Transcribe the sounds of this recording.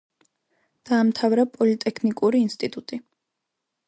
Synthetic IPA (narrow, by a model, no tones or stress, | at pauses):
d̪̥aːmt̪ʰavɾapʼɔlit̪ʼɛkʰnikʼuɾiːnst̪ʼit̪ʼut̪ʼi